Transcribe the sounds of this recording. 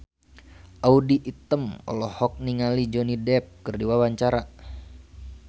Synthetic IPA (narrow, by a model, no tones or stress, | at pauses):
ʔaudiʔːt̪əmɔ̰lɔhɔk̚niŋalid͡ʒɔnidɛp̚kɨrdiwawaɲt͡ʃaɾa